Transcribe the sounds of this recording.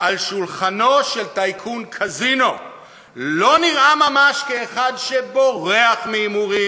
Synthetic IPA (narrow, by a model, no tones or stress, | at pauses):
ʔalʃulχano̞ʃelt̪ajkʰunkʰazino̞ | lo̞niʁamamaʃkeːχadʃebo̞ʁeaχmiːmuʁi